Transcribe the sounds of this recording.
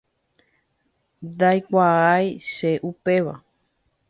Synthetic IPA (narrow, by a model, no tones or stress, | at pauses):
d̪ajkʷaajʃeʔupe̞ʋa̰